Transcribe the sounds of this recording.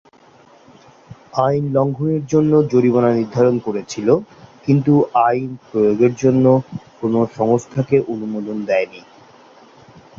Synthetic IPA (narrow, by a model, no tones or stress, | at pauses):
ajnlɔŋɡʱoneɾd͡ʑonːod͡ʑoɾibonaniɾd̪ʱaɾonkoɾet͡ɕʰilokint̪uʔajnpɾojoɡeɾd͡ʑonːokonoʃɔŋost̪ʰakeʔonumod̪ond̪ɛeni